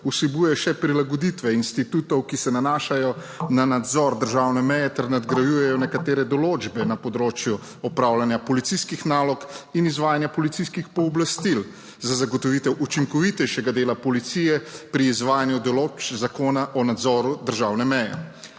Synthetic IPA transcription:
usibujɛjɔʃɛpɾilaɡɔd̪it̪ʋɛinst̪it̪ut̪ɔwkisɛnanaːʃajɔ | nanad̪zɔɾd̪əɾʒaːwnɛmɛjɛt̪ɛɾnad̪ɡɾajujɛjɔnɛkat̪eːɾɛd̪ɔloːd͡ʒbɛnapɔd̪ɾoːt͡ʃju | ɔpɾawlanjapɔlit̪siskixnaːlɔkinizʋaːjanjapɔlit̪siskixpɔːblast̪il | zazaɡɔt̪ɔʋit̪ɛwʔut͡ʃiŋkɔʋit̪ɛjʃɛɡad̪eːlapɔlit̪sijɛpɾiːzʋaːjanjud̪ɔloːt͡ʃzakoːnaʔɔnad̪zɔɾud̪əɾʒaːwnɛmɛjɛ̰

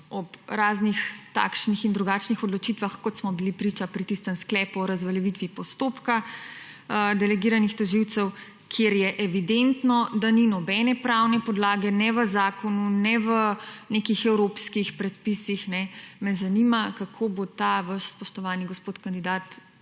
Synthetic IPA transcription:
ɔpɾaːznixt̪a̰kʃnixind̪ɾuɡat͡ʃnixɔd̪lɔt͡ʃit̪ʋaxkɔt̪smɔbilipɾit͡ʃapɾit̪ist̪əmsklɛːpuɔɾazʋaljɛʋit̪ʋipɔst̪oːpka | d̪ɛlɛɡiːɾanixt̪ɔʒiwt̪sɛw | kʰjeɾjɛʔɛʋid̪ent̪nɔd̪aninɔbɛnɛpɾawnɛpɔd̪laːɡɛnɛʋəzaːkɔnunɛʋənekixɛwɾopskixpɾɛt̪̚pisixnɛmɛzanimakakʰobot̪aʋaʃspɔʃt̪ɔʋaːniɡospoːt̪kand̪id̪aːt̪

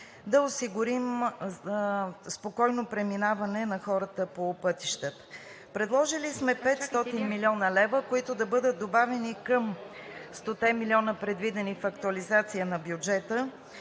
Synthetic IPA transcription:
d̪ɐosiɡʊɾim | spokɔjnopɾɛminavɐnɛnɐxɔɾət̪əpopɤt̪iʃt̪ət̪ə̥ | pɾɛd̪lˠɔʒilismɛpɛt̪st̪ɔt̪inmilʲiɔnəlɛvəkoit̪ʊd̪ɐbɤd̪ət̪̚d̪obavɛnikəmst̪ot̪ɛmilʲiɔnəpɾɛd̪vid̪ɛnifɐk̚t̪uɐlizat̪sijənɐbjud͡ʒɛt̪ə

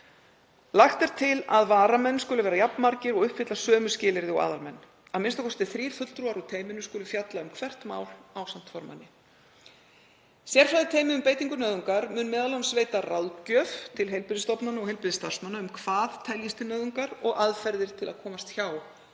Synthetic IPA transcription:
laxt̪ɛɾ̥t̪ʰɪlaðvaːɾamɛnːskʏlʏvɛːɾajapnmaɾcɪɾɔɣʏhpfɪt̪lasœːmʏscɪːlɪɾðɪɔɣa̰ːðalmɛnː | aðmɪnst̪akʰɔst̪ɪθɾiːɾ̥θœʏt̪lt̪ɾuaɾut̪ʰeːjmɪnʏskʏːlʏfjat̪laʏmkʰvɛr̥t̪ma̰ːwlawsam̥t̪fɔɾma̰nːɪ | sjɛɾ̥fɾaðɪt̪ʰeːjmɪʏmpeːjt̪iŋkʏnœːðʏŋkaɾmʏːnːmɛːðalaʏmsveːjt̪arawðcœːft̪ʰɪlɦejlpɪɾðɪst̪ɔpnanɔɣhejlpɪðɪst̪ar̥smanaʏmkʰv̥aːðt̪ʰɛljɪst̪ɪnœːðʏŋkaɾɔɣaðfɛɾðɪɾ̥t̪ʰɪlaðkʰɔːmast̪çaːw

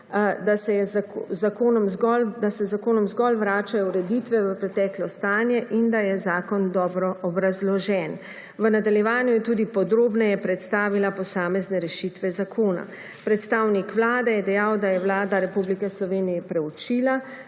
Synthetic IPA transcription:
d̪asɛjɛzakoːnɔmzɡɔld̪asɛzakoːnɔmzɡɔlʋɾaːt͡ʃajɔuɾɛd̪it̪ʋɛʋəpɾɛt̪ɛːklɔst̪aːnjɛʔind̪ajɛzaːkɔnd̪ɔːbɾɔɔbɾazlɔʒɛn | ʋənad̪aljɛʋaːnjujɛt̪uːd̪ipɔd̪ɾoːbnajɛpɾɛt̪st̪aːʋilapɔsaːmɛznɛɾɛʃit̪ʋɛzakʰoːna̰ | pɾɛt̪st̪aːwnikʋlaːd̪ɛjɛd̪ɛjawd̪ajɛʋlaːd̪aɾɛpublikɛslɔʋeːnijɛpɾɛut͡ʃiːla

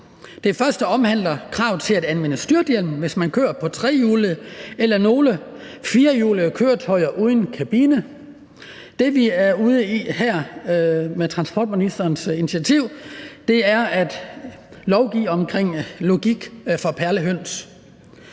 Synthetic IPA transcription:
d̥e̝fɶɐsd̥əɒ̽mhæn̰lɐkʰʁɑ̈ʊ̰t͡sʰe̝læd̥ænʋenəsd̥yɐd̥jelm̩ʋe̝smænkʰø̰ːɐpʰɒ̽t͡sʰʁɛ̰ːjuːləelɐno̝ːlə | fiːɐjṵːləkʰøːɐt͡sʰɒɪɐʔuð̞ˠən̩kʰæb̥iːnə | d̥e̝ʋiæɐuːð̞ˠəihæɐ̰ | met͡sʰʁɑ̈nsb̥ɒ̰ːd̥minisd̥ɐːnsinit͡sʰiæt͡sʰiʊ̰d̥e̝æɐæd̥ | lɒʊɡ̥ḭːɒ̽mkʰʁeŋ̰lo̝ɡ̥iɡ̥fɒ̽pʰæɐləɦøn̰s

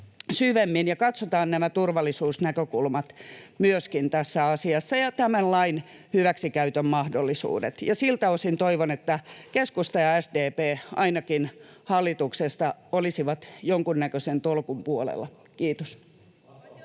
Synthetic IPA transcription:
syʋemːinjɑkɑt̪sot̪ɑːnnæmæt̪urʋɑlːˑisuːsnækøkulmɑt̪myøskint̪æsːæɑsiɑsːɑjɑt̪æmænlɑin | hyʋæksikæyt̪ømmɑhdolːisṵːdḛt̪jɑsilt̪æosint̪oiʋonet̪ːækeskust̪ɑjɑæsdeːpeːʔɑinɑkin | hɑlːit̪uksest̪ɑolisiʋɑt̪joŋkunnækøsent̪olkumpuolḛlːˑɑ | kiːt̪os

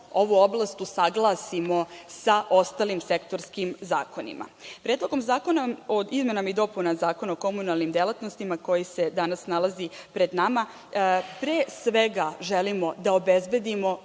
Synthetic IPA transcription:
o̞ʋuoblˠast̪usaɡlˠaːsimo̞saʔo̞st̪alimsekt̪o̞ɾskimza̰ːko̞nḭmʔa̰pɾed̪lˠokomzaːko̞naoizme̞namaid̪o̞punazaːko̞naoko̞munalˠnimd̪elˠat̪nost̪imako̞jise̞d̪anasnalˠazipɾe̞d̪nama | pɾeːsʋeɡaʒelimo̞d̪aobezbe̞d̪imo̞

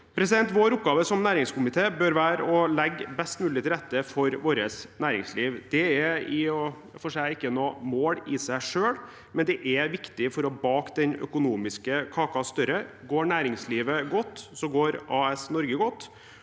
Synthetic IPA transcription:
pʰɾɛsɪd̪ɛnt̪ʋoːɾʊp̚ɡɑːʋəsɔmnæːɾɪŋskʊmɪt̪ʰeːbøɾʋæːɾəɔlɛɡːbɛst̪mʉːlɪt̪ʰɪlɾɛt̪ːəfɔɾʋoːɾəsnæːɾɪŋsliːʋd̪ɛɛɪɔ | fɔʂæɪɪkːənoːmoːɽɪsæɪʂøːɽ | mɛnd̪ɛʔɛʋɪkt̪ɪfɔɾɔbɑːkd̪ɛnœ̰kʊnuːmɪskəkʰɑːkɑst̪œɾə | ɡoːɳæːɾɪŋsliːʋəɡɔt̪ːsɔɡoːɾɑːɛsnɔɾɡəɡɔt̪ː

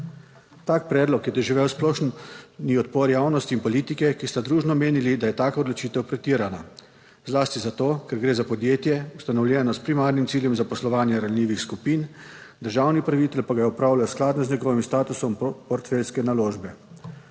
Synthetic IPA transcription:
t̪aːk̚pɾɛːd̪lɔkjɛd̪ɔʒiʋɛwsplɔːʃnniɔt̪pɔɾjaːwnɔst̪iːnpɔliːt̪ikɛkist̪ad̪ɾuːʒnɔmeːnilid̪ajɛt̪aːkaɔd̪lɔt͡ʃiːt̪ɛwpɾɛt̪iːɾana | zlaːst̪izat̪oːkɛɾɡɾeːzapɔd̪jeːt̪jɛust̪anɔwlʲjɛːnɔspɾimaːɾnimt̪siːljɛmzapɔslɔʋaːnjɛɾalnʲiːʋixskupind̪əɾʒaːwnipɾaʋit̪ɛlpaɡaɔpɾaːwlajasklaːd̪nɔzɲɛɡɔʋimst̪aːt̪usɔmpɔɾt̪fɛlskɛnaloːʒbɛ

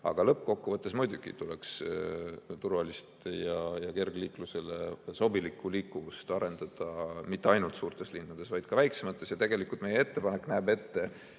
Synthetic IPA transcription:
ɑ̰ɡ̥ɑlɤpːˑko̞kːuvɤt̪ːˑe̞smujd̪uɡ̥ḭt̪uleks | t̪urvɑlist̪jɑjɑke̞rɡliːkluse̞leso̞bilikːˑuliːkːuvust̪ɑɾe̞nd̪̥ɑd̪̥ɑmit̪ːˑe̞ɑjnult̪suːɾt̪e̞slinːɑd̪̥e̞svɑjd̪̥kɑvæjkse̞mɑt̪ˑːe̞sjɑt̪e̞ɡe̞likult̪me̞jeet̪ːe̞pɑne̞kːnæːbe̞t̪ːe̞

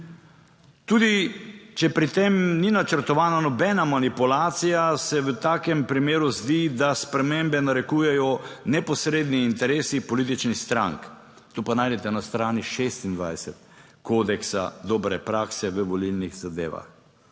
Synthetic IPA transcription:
t̪uːd̪it͡ʃɛpɾit̪emninat͡ʃəɾt̪ɔʋaːnanɔbɛːnamanipulaːt̪sijasɛʋət̪aːkɛmpɾimeːɾuzd̪id̪aspɾɛmembɛnaɾɛkuːjɛjɔnɛpɔsɾeːd̪niːnt̪ɛɾeːsipɔlit̪̬it͡ʃnixst̪ɾa̰ŋk | t̪oːpanaːjd̪ɛt̪ɛnast̪ɾaːniʃest̪ind̪ʋa̰jsɛt̪̚ | koːd̪ɛksa̰d̪ɔːbɾɛpɾaːksɛʋəʋɔlilniɣzad̪ḛːʋa̰x

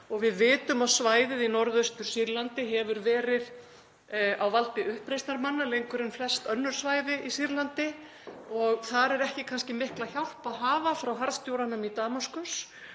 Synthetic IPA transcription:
ɔɣvɪðvɪːt̪ʏmawsvaːjðɪðinɔɾðʏst̪ʏɾ̥siɾlant̪ɪɦɛvʏɾvɛːɾɪð | awvalt̪ɪʔʏhpɾejst̪naɾmanːalejŋkʏɾɪnflɛst̪œnːʏɾ̥svaːjðɪisiɾlant̪ɪ | ɔɣθaɾɛɾɛhcɪkʰanscɪmɪhklaçawl̥paðɦaːvafɾawɦaɾðst̪jowɾanamit̪aːmaskʏs

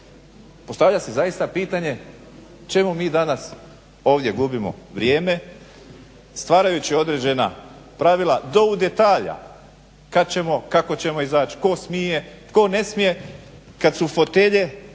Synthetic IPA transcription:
po̞st̪aʋʎʲasezajist̪apiːt̪aɲe̞ | t͡ʃe̞mumiːd̪anas | o̞ːʋd̪je̞ɡubimo̞̰ʋɾje̞ːme̞ | st̪ʋaːɾajut͡ɕio̞d̪ɾed͡ʑe̞na̰pɾaʋilˠad̪o̞ud̪e̞t̪aːʎa̰ | kad̪̚t͡ɕe̞mo̞kako̞t͡ɕe̞mo̞izaːt͡ʃi̥ko̞smije̞t̪ko̞ne̞smije̞kad̪sufo̞t̪e̞ʎe̞

